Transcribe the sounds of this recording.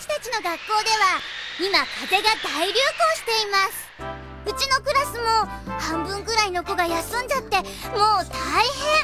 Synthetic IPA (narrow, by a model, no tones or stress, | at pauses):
ɕi̥t̪at͡ɕino̞ɡakːo̞ːd̪e̞βaimakaze̞ɡad̪aiɾʲɨːho̞ːɕi̥t̪e̞imasɨ̥ | ɯ̟t͡ɕino̞kɯ̟ɾasɨmo̞hãmbɯ̟̃ŋɡɯ̟ɾaino̞ko̞ɡajasɨ̃ɲ̟d͡ʑat̪ːe̞ | mo̞ːt̪ʰaihẽ̞